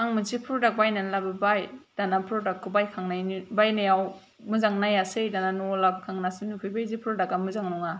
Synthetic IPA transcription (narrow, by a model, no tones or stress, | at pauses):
aŋmɯzipʰuɾdak̚bajnanlabɯbajd̥anapʰɾɔdakʰːubajkʰaŋnajnibajnajaw | mɯzaŋnajasɯjdananɔlabkʰaŋnasɯnukʰɯjbajzipʰɯɾdakamɯzaŋnɔŋa